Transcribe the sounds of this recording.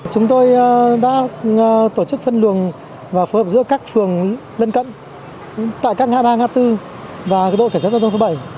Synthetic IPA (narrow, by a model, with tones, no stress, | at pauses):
t͡ɕʊ˨˦ŋ͡mt̪o˧jɗa̰ː˧˥t̪o˧˩t͡ɕɨ˦˥k̚fə˧nlɨ˨˩əŋ | vaː˨˩fo˨˦jhəː˨˩p̚zɨ̰˧˥əkaː˦˥k̚fɨ˨˩əŋ | lə˧nkə̰˧˨n | t̪a̰ː˧˨jkaː˦˥k̚ŋa̰ː˧˥ɓaː˧ŋaː˧t̪ɨ˧ | vaː˨˩˦ɗo̰˧˨ka˧˩saː˦˥˧ŋ͡mt̪ʰo˨˦ɓə˧˩j